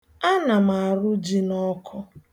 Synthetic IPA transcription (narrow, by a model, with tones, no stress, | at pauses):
a˦na˨m̩a˨ɾʊ˦d͡ʒi˦nɔ˦kʰɔ˦